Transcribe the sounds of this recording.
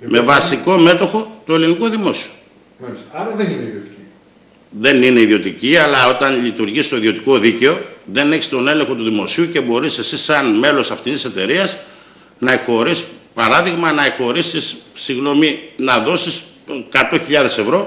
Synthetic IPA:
me̞vɐsiko̞me̞t̪o̞xo̞t̪o̞e̞liniko̞ðimo̞si̥o | t | ðe̞nine̞iðio̞t̪iciɐlɐo̞t̪ɐnʎit̪uɾʝist̪o̞iðiot̪iko̞ðice̞o̞ðe̞ne̞çi̥st̪o̞ne̞le̞ŋxo̞t̪uðimo̞siuce̞bo̞ɾise̞sisɐnme̞lo̞sɐft̪it̪ise̞t̪e̞ɾiɐs | nɐeko̞ɾispɐɾɐðiɣmɐnɐeko̞ɾisisːiɣno̞minɐðo̞sis | kɐt̪o̞çiʎɐðe̞se̞vɾo̞

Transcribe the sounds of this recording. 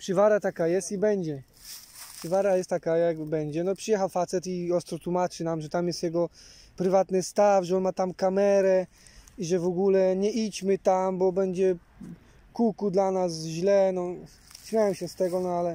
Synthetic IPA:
pʂɨvaɾat̪akajɛst̪ibɛɲd͡ʑɛ | pʂɘvaɾajɛst̪ːakajaɡbɛɲd͡ʑɛnɔpʂɨjɛxawfat̪sɛt̪iɔst̪ɾɔt̪wumat͡ʂɘnamʐɛt̪amjɛst̪jɛɡɔ | pɾɘvat̪nɘst̪afʐɛɔnmat̪amkamɛɾɛ | iʐɛvɔɡulɛɲɛʔit͡ɕmɘt̪ambɔbɛɲd͡ʑɛ | kukud̪lanasʑlɛnɔ | ɕmʲjawɛmɕɛst̪ɛɡɔnɔalɛ

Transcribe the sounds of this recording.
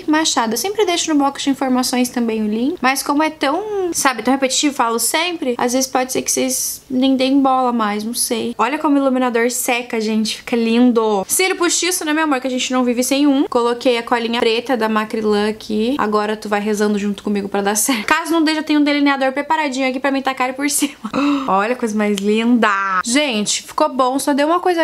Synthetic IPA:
maʃad̪ɐesẽmpɾɪd̪eʃʊnʊblɔkʊ̥d͡ʒɪĩfoɾmasõj̃st̪ɐ̃mbẽj̃ʊlĩmɐskõmʊɛt̪ɐ̃w̃sabɪt̪ɐ̃w̃hepet͡ʃi̥t͡ʃivʊfalʊsẽmpɾɪa̰zvezɪspɔd͡ʒɪseɾkɪ̥seznẽj̃d̪ẽj̃bɔlɐmajsnɐ̃w̃sejɔʎɐkõmʊilumĩnad̪oɾsɛkɐaʒẽnt͡ʃɪ̥fi̥kɐlĩnd̪osɛɾʊpuʃisʊnɛ̃mewamoɾkɪaʒẽnt͡ʃɪnɐ̃w̃vivɪsẽj̃ũkolokejɐkɔlĩɲɐpɾet̪ɐd̪ɐmakɾilɐ̃akʰia̰ɡɔɾɐt̪uvajɦezɐ̃nd̪ʊʒũt̪ʊ̥kõmiɡʊpɾɐd̪asɛɾtkazʊnɐ̃w̃d̪ejʃɐt̪ẽj̃ũd̪elinead̪oɾpɾepaɾad͡ʒĩɲʊakipɾɐmĩt̪akaɾʊpoɾsĩmɐɔʎɐkojzɐmajzlĩnd̪ɐʒẽt͡ʃɪ̥fi̥kobõw̃sɔd̪ewũmɐkojzɐ

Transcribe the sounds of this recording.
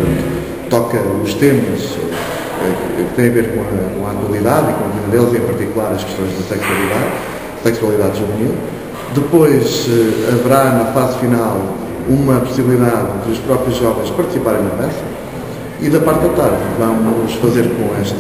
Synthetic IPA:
ɐ̃nt̪u | t̪ɔkɐuʃt̪emɐʃ | ɛkkɨt̪ẽj̃ɐveɾkõɐkõaːt̪wɐlˠiðaðikõɐvĩðɐðelˠziẽpɐɾt̪ikulˠaɾɐʃkɨ̥ʃt̪õj̃ʒðɐsɛkswɐlˠiðað | sɛkswɐlˠiðaðʒuvni | d̪ɨpojʃɛɐvɨɾanɐfazfinalˠ | umɐpu̥siβlˠiðaððuʃpɾɔpɾjuʒːɔvɐ̃j̃ʃpɐɾt̪ɨ̥sipaɾẽj̃nɐpɛsɐ | iðɐpaɾt̪ɐt̪aɾðvɐmuʃfɐzeɾkõɛʃt̪

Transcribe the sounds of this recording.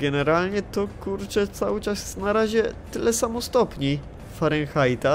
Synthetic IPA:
ɡɛnɛɾalɲɛt̪ɔkuɾt͡ʂɛt̪sawɘt͡ʂasjnaɾaʑɛt̪ɘlɛsamɔst̪ɔpɲi | faɾɛŋxajt̪a

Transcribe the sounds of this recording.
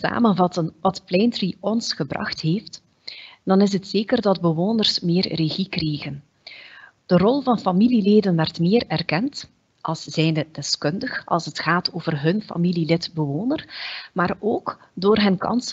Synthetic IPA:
sa̰ːmənvɑtənʋɑtplɛjntriɔnsxəbrɑ̰xtɦeːft | d̥ɑnɪs̬ɦətseːkərdɑdbəʋoːnərsmɪːrreɣikrɛjɣən | d̥ərɔlˠvɑnfɑmilileːdənʋɛrətmɪːrɛrkɛnt | ʔɑlˠsz̥ɛjndəd̥ɛskɵndəxʔɑ̰lˠsɦətxaːtoːvərɦɵnfa̰mililɪtbəʋoːnərmaːroːk | doːrɦənkɑ̰ns

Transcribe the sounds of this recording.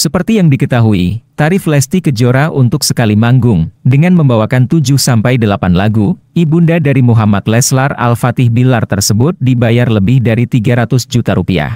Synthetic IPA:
səpərt̪ijaŋdikət̪aɦuit̪aɾɪflɛst̪ikəd͡ʒoɾaʔunt̪ʊksəkalimaŋɡʊŋdəŋanməmbawakant̪ud͡ʒʊhsampajdəlapanlaɡu | ibundadaɾimuɦamat̪̚lɛslara̰lfat̪ɪhbilart̪ərsəbʊt̪̚dibajarləbɪhdaɾit̪iɡaɾat̪ʊsd͡ʒut̪aɾupia̰h

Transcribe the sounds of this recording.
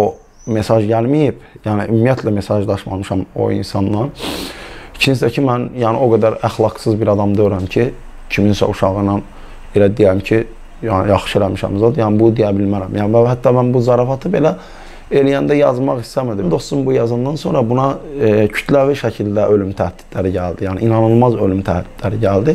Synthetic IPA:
o | me̞sɑʒɟælmijib̥jæːniʔymːijæt̪ʰlæme̞sɑʒd̪ɑʃmɑmɯʃɑmo̞̰ḭnsɑnːɑn | it͡ʃʰinsd̪æcʰimænjæːnḭʔo̞ɡæd̪æɾæxlˠɑɡsɯzbiɾɑd̪ɑmd̪øjyɾæmcʰi | cʰiminsæ̰uʃɑɣɯnɑn | elæd̪ijæmcʰi | jjɑχʃɯe̞læmiʃæ̰mzɑd̪jæːnibud̪ijæbilmæɾæmjænvæhæt̪ʰːɑmænbuzɑɾɑfɑt̪ʰɯbe̞læ | e̞lijænd̪æjɑzmɑɣist̪æmid̪imd̪o̞st̪sumbujɑzɑnd̪ɑnso̞nɾɑbunɑcʰy̥t̪ʰlæviʃæcʰild̪æølymt̪ʰæhd̪̥i̥d̪̥læɾiɟæld̪ijæːnḭʔinɑnɯlˠmɑzølymt̪ʰæhd̪id̪̥læɾiɟæld̪i

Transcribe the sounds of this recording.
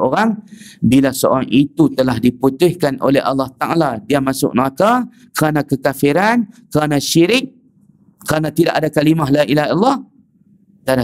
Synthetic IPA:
ʔoɾaŋbilasəo̰ɾaŋit̪ut̪əlahdiput̪ʊhkano̰lɛɦa̰lːɑht̪aʔa̰ladiamasʊ̰ʔ̚naka | kəɾanakəkafiɾankəɾanaʃiɾɪk̚ | kəɾanat̪idaʔadakalimaɦlaʔilaɦlːɑh | t̪ada

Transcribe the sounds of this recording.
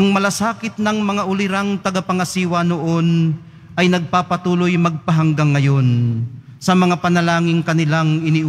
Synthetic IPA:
ʔɐŋmɐlasaːkɪt̪̚nɐŋmɐŋaʔʊlɪɾaŋt̪ɐɡapɐŋɐsiːwɐnoʔo̞n | ʔɐjnɐɡ̚paːpɐt̪uːlʊjmɐɡ̚pɐɦɐŋɡaŋːɐjo̞n | sɐmɐŋapɐnɐlaːŋɪŋkɐnɪlaŋɪniʔ

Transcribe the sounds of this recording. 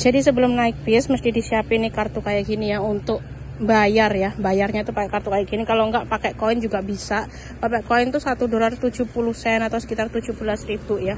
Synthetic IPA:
d͡ʒadisəbəlʊmnaɪk̚bɪsməst̪idisiapɪnikart̪ukajaʔɡinijaunt̪ʊk̚ | bajarjabajarɲat̪upakɛkart̪ukajaɡinikaloŋɡaʔpakɛʔkoɪnd͡ʒuɡaʔbisaʔ | papɛkoɪnt̪usat̪udolart̪ud͡ʒupuluhsɛnat̪awsə̥kit̪art̪ud͡ʒubulasribuja

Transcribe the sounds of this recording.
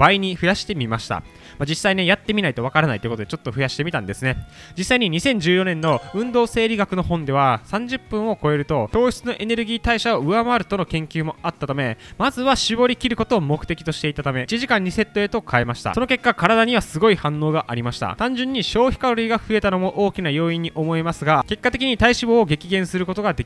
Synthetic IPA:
b̥aiɲ̟iɸɯ̟jaɕi̥t̪e̞mʲimaɕi̥t̪a̰ | mad͡ʑisːaine̞jat̪ːe̞mʲinait̪oβakaɾanait̪oiɯkot̪od̪et͡ɕo̞t̪ːo̞ɸjaɕi̥t̪e̞mʲit̪ã̰nd̪e̞sɨne̞ | d͡ʑisːaiɲ̟iɲ̟isẽ̞ɲ̟d͡ʑɨːjo̞nẽ̞nːo̞ɯ̟̃nd̪oːse̞ːɾʲiɡakɯ̟no̞ɦõ̞nd̪e̞β̞asãɲ̟d͡ʑɨpːɯ̟̃ɰ̃o̞ko̞e̞ɾɯ̟t̪o̞t̪o̞ːɕt͡sɨno̞ʔe̞ne̞ɾɯ̟ɡʲiːt̪aiɕaoɯ̟amaaɾɯ̟t̪o̞no̞kẽ̞ŋkʲɨːmo̞at̪ːat̪ame̞mazɨβaɕibo̞ɾʲikʲiɾɯ̟ko̞t̪o̞ːmo̞kɯ̟t̪e̞kʲi̥t̪o̞ɕi̥t̪e̞it̪at̪ame̞t͡ɕiʑikãɲ̟ːise̞t̪ːo̞e̞t̪o̞kʰae̞maɕi̥t̪a̰so̞no̞ke̞kːakaɾad̪aɲ̟iβasɨɡo̞ihãnːo̞ːɡaʔaɾʲimaɕi̥t̪a̰t̪ãɲ̟d͡ʑɨ̃ɲ̟ːiɕo̞ːçi̥kaɾo̞ɾʲiːɡaɸɯ̟e̞t̪ano̞mo̞ʔo̞ːkʲinajo̞ːĩɲ̟ːiʔo̞mo̞emasɨɡake̞kːat̪e̞kʲiɲ̟it̪aiɕibo̞ːɡe̞kʲiɡẽ̞ɰ̃sɨɾɯ̟ko̞t̪o̞ɡad̪ekʲi

